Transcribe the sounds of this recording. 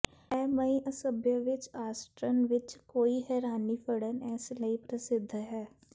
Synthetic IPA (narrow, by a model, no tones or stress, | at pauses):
ɛːməĩʔəsəbjəʋɪt͡ʃaːsʈɾənʋɪt͡ʃkoːiːɦɛːɾaːniːpʰəɽənɛːsləiːpɾəsɪd̪ʱɦɛː